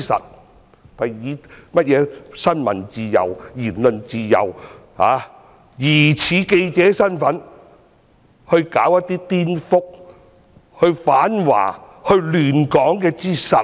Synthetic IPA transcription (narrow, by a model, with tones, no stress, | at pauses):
sɐ̰˨t̚ | pɐ˨˩jjiː˨˧mɐ˥t̚jɛː˨˧sɐ˥nmɐ̰˨˩nt͡siː˨˧jɐ̰˨˩wjiː˨˩nlɵ˨˧nt͡siː˧jɐ̰˨˩w | ha̰ː˨˧ | jiː˨˩t͡sʰiː˨˥ke˧jt͡sɛː˨˥sɐ˥nfɐ˨˥n | hɵ˧ɥkaː˨˥wjɐ˥t̚t̪iː˥t̪iː˥nfʊ˥k̚ | hɵ˧ɥfaː˨˥nwa̰ː˨˩ | hɵ˧ɥlyː˨˩nkɔː˨˥ŋkɛː˧t͡siː˥˩sɐ˨˩